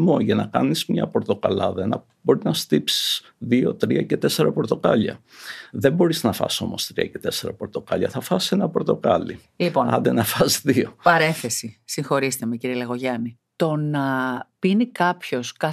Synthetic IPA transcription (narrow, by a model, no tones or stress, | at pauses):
moʝɐnɐkɐ̰nizmɲɐ̰po̞ɾt̪o̞kɐlɐðɐenɐ | bo̞ɾinɐst̪ipsi̥s | ðio̞̰t̪ɾiɐce̞t̪eseɾɐpo̞ɾt̪o̞kɐʎɐ̰ | ðe̞mbo̞ɾiznɐfɐ̰so̞̰mo̞st̪ɾiɐce̞̥t̪e̞seɾɐpo̞ɾt̪o̞kɐʎɐ̰θɐfɐse̞nɐpoɾt̪o̞kɐ̰lḭ | liponɐ̰nd̪enɐfɐszðio̞pɐɾe̞nθe̞sisiŋxo̞ɾist̪emeciɾieleɣo̞ʝɐni | t̪o̞nɐpinikɐpço̞skɐ